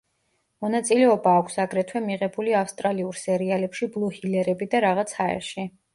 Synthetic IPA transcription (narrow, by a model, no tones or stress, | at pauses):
mɔnat̪sʼilɛɔbaːkʷʰsaɡɾɛt̪ʰwɛmiʁɛbuliafst̪ʼɾaliuɾsɛɾialɛpʃiblˠuhilɛɾɛbid̪aɾaʁat̪sʰaɛ̰ɾʃi